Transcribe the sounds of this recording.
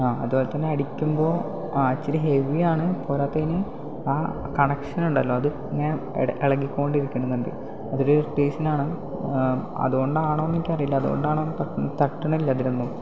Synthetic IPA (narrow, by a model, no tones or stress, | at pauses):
aːɐ̰ðubo̞ːlet̪ɐnːeɐɽikʲːumbo̞ː | ɐt͡ɕːiɾiɦeʋijaːɳɨpoːɾaːt̪ːeinɨ | aː | kɐɳɐkʂɐnuɳɖɐlːo̞ːɐðɨ | iŋːɐneʔeɭɐɡikʲːuoɳɖiɾikʲːɐɳɖumːenɖ̪ɨ̰ | ɐðoɾuʈeːʂɐnaːɳɨ | ɐ̰ðuɣo̞ɳɖɨaːɳoːnːiːkʲːɨpɐrijilːɐɐðuɣo̰ɳɖaːɳoːnːt̪ɐt̪ɐʈːɐɳɐilːɐɐðinenːum